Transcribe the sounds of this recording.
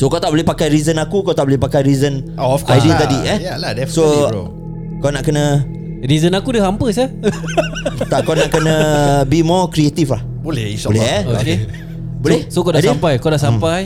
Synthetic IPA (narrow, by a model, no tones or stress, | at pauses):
sokawt̪aʔbolehpakajɾizənakukawt̪aʔbolɪhpakajɾizənoɔfkajdiət̪adiɛjaladɛfsoo̰ | kawnaʔkənə̃ | ɾizənakudəɦampəsa | t̪akawnaʔkənə̃bimɔkɾiet̪iflah | boleolɛke | bolɛhsokawdaʔsampajkawdaʔsampaj